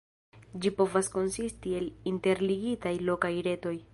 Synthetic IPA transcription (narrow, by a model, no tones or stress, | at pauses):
d͡ʒipo̞vasko̞nsistie̞linte̞ɾliɡitajlo̞kajɾe̞to̞j